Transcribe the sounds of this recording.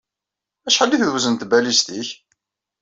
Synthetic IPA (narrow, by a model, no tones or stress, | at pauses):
æʃħəlːiθðwzənt̪bælist̪iç